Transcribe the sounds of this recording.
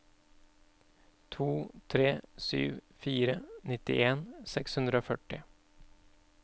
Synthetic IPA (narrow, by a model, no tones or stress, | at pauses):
t̪ʰuːt̪ʰɾeːsy̰ːʋfiːɾənɪt̪ɪ̰ʔeːnsɛkshʉnd̪ɾəoːfœʈɪ